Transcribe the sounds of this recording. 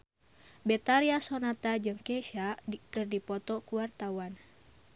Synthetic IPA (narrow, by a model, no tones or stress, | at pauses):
bɛt̪aɾiasonat̪ad͡ʒɨŋkɛʃakɨrdipɔt̪ɔkuwart̪awan